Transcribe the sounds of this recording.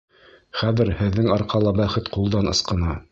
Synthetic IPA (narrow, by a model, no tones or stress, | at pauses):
χæðɘɾhɘ̆ðːɘŋɑɾqɑlˠɑbæχɘt̪qulˠd̪ɑnɤ̆sqɤ̆nɑ